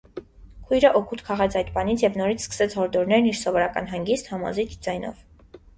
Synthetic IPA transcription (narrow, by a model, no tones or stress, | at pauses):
kʰujɾəʔɔkʰut̪kʰɑʁɛt͡sʰɑjt̪bɑnit͡sʰjɛvnɔɾit͡sʰskə̥sɛt͡sʰhɔɾd̪ɔɾnɛɾniɾsɔvɔɾɑkɑ̰nɦɑŋɡist̪hɑmɔ̰zit͡ʃʰd͡zɑjnɔ̰v